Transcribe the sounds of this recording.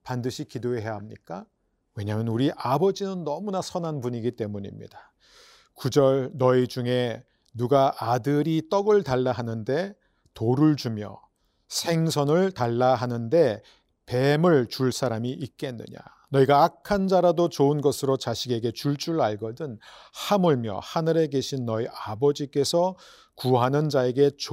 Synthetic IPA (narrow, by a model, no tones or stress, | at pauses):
pandɯɕʰikidoeɦe̞jaɦamɲḭk͈a | we̞ɲamjʌnuɾiʔabʌd͡ʑinɯnːʌmunasʰʌnanpuɲiɡit͈e̞muɲḭmɲḭd̥a | kud͡ʑʌɭnʌid͡ʑuŋe̞ | nuɡaʔadɯɾit͈ʌɡɯɭtaɭːaɦanɯnde̞ | toɾɯɭd͡ʑumjʌ̰ | sʰe̞ŋsʰʌnɯɭtaɭːaɦanɯnde̞ | pe̞mɯɭt͡ɕuɭs͈ʰaɾamiʔik̚k͈e̞nːɯ̰ɲa̰ | nʌiɡaːkʰand͡ʑaɾadot͡ɕoɯnɡʌsʰɯɾot͡ɕaɕʰiɡe̞ɡe̞t͡ɕuɭt͡ɕ͈uɾaɭɡʌdɯnhamɯɭmjʌ̰hanɯɾe̞ɡe̞ɕʰinːʌiʔabʌd͡ʑik͈e̞sʰʌ | kuɦanɯnd͡ʑae̞ɡe̞t͡ɕ